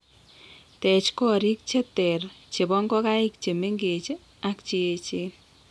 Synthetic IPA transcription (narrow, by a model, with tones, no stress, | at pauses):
tɛ˨t͡ʃkɔ˦ɾi˦k̚t͡ʃe˦tɛ˨rt͡ʃe˨bɔ˦ŋɡɔ˦ka˦ɪ˦k̚t͡ʃe˨me˦ŋɡe˨t͡ʃ | a˦kt͡ʃi˦e˨t͡ʃe˦n